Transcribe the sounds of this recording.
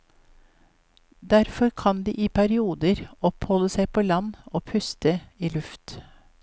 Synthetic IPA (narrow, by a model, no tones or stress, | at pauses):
d̪æɾfɔɾkʰɑnd̪ḭːʔiːpʰæɾɪuːd̪əɾɔphɔləsæɪpʰoːlɑnoːpʰʉst̪əiːlʉft̪